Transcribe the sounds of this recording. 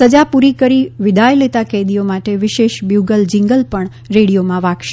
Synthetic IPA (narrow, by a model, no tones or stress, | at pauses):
səd͡ʒapuɾikəɾiʋɪd̪ʱajlet̪akɛd̪ijomaʈeʋɪʃeʃbjuɡəld͡ʒɪ̃ŋɡəlpəɳ | ɾeɽijomãʋãkʃ